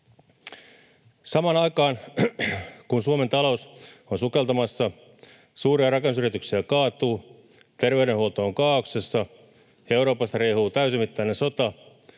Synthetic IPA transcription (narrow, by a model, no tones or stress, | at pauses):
sɑmɑnɑikɑːn | kunsuoment̪ɑlousonsukelt̪ɑmɑsːɑ | suːriɑrɑkensyrit̪yksiækɑːt̪uː | t̪erʋeyɾenhuolt̪oːŋkɑːokse̞sːɑ | jeuɾo̞ːpɑst̪ɑreihuːt̪æysimit̪ːæinenso̞t̪ɑ